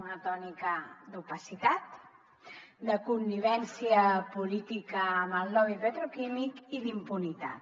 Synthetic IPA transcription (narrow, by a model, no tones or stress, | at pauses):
unət̪ɔnikəd̪upəsit̪at̪ | d̪əkunːiβ̞ɛnsiəpulit̪ikəːməlˠnɔβipət̪ɾokimikiðimpunit̪a̰t̪